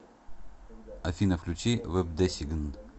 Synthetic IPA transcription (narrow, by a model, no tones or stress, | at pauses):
ɐfʲinɐfklʲut͡ɕivɛb̚d̪ɛsʲiɡn